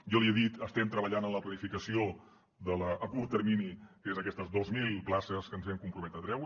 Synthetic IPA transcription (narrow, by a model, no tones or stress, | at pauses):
jɔlieðit̪əst̪ɛmt̪ɾəβəʎanənləplənifikəsio | ðələʔːkuɾt̪ərminikezəkɛst̪əzðozmilˠplasəskənzβɛmkumpɾumɛt̪ət̪ɾɛw